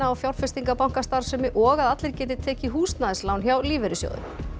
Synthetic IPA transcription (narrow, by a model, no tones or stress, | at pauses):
aːwfjawɾfɛst̪iŋkapawŋ̥kast̪aɾ̥sʏmɪʔɔɣaðat̪lɪɾ̥cɛːt̪ɪt̪ʰɛːcɪɦuːst̪naðɪslawnçjawliːvɛɾɪsjɔ̰wðʏ̰m